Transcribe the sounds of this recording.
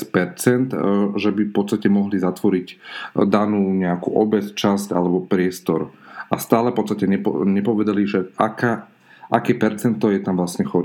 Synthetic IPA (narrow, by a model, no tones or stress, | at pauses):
pɛɾt͡sɛnt̪ʒɛbifpɔt̪st̪acɛmɔɦlizat̪ʋɔɾiɟd̪anuːɲɛakuːʔɔbɛt͡st͡ʃazca̰lɛbɔpɾɪɛst̪ɔɾast̪aːlɛfpɔt̪t͡st̪acɛɲɛpɔɲɛpɔʋɛd̪aliʒɛakaː | ʔakɛːpɛɾt͡sɛnt̪ɔjɛt̪amʋlasɲɛxɔɾ